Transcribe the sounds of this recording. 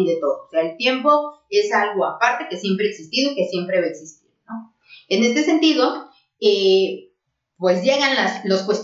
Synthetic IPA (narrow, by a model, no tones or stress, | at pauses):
iðe̞t̪o̞ðoseaelt̪je̞mpo̞e̞salɣoapaɾt̪e̞ke̞sje̞mpɾeːksist̪iðo̞ike̞sje̞mpɾeβaeksist̪ḭɾno̞ | ene̞st̪e̞se̞nt̪iðo̞ | e | pwe̞sʝe̞ɣanlasloskwe̞st̪